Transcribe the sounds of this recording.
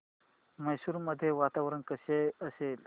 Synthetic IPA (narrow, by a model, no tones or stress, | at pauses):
məjsuːɾməd̪ʱːjeʋat̪aʋɾənkəseəsel